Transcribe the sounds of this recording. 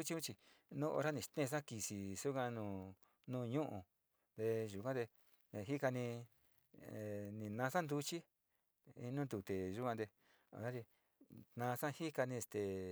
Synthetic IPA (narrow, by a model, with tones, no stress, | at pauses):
u˦t͡ʃi˧ũ˦t͡ʃi˧nũ˦ʔo̰˧ɾa˦nĩ˨t̪ẽ˦˧s̬ã˦ki˨si˨su˦kã˧nũː˧˨ | nũː˧ɲũ˦ʔũ˨ | d̪e˧ʒu˨kʷã˦t̪e˧ | ɦi˦ka˧nĩ˧˨ | nĩ˨nã˧sã˦nd̪u˧t͡ʃi˦ | ḭ˧nũ˦d̪u˧˨t̪e˨ʒu˦kʷã˧d̪e˧ | o̰˧ɾa˦ɾi˧ | t̪nã˧sã˦˧hi˦ka˧nĩ˧e˧st̪e˨